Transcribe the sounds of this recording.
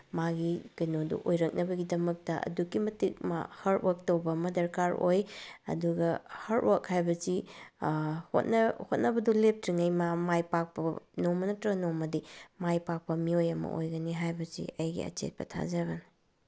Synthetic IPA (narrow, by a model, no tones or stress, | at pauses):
maɡikɐjnodṵʔojɾɐk̚nʔɐbɐɡidɐmɐk̚tɐɐ̰dukːimɐtik̚ma̰hɐɾtwɐk̚tɐwbɐːmɐdɐɾkaɾojɐ̰duɡɐhɐɾt̚wɐkhajbɐzi | ho̰t̚nɐhot̚nɐbɐdulep̚tɾiŋɐjmamajpak̚pɐnomɐnɐtɾɐɡnomɐdimajpak̚pɐmiojɐmɐ̰ʔo̰jɡɐniɦajbɐzḭɐjɡḭɐ̰t͡ʃḛt̚pɐ̰tʰa̰zɐβɐni